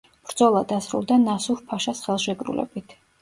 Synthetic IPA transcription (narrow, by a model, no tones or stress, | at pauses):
b̥ɾd̪zɔlˠad̪asɾṵlˠd̪anasuɾpʰaʃasχɛlˠʃɛkʼɾṵlɛ̰bit̪ʰ